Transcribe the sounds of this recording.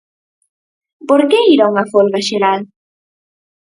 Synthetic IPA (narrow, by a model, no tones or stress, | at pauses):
poɾkeiɾauŋɐfolɣaʃeɾal